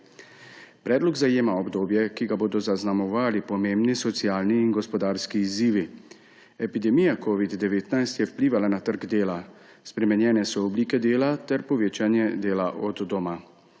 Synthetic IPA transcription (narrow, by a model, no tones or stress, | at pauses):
pɾɛːd̪lɔɡzajeːmaɔbd̪oːbjɛkiɡaboːd̪ɔzaznamɔʋaːlipɔmeːmbnisɔt̪sijaːlniːnɡɔspɔd̪aːɾskiːziːʋi | ɛpid̪ɛmiːjakoːʋid̪ːɛʋeːt̪najst̪jɛwpliːʋalanat̪əɾɡd̪eːla | spɾɛmɛnjɛːnɛsɔːbliːkɛd̪eːlat̪ɛɾpɔʋeːt͡ʃanjɛd̪eːlaʔɔd̪ːɔma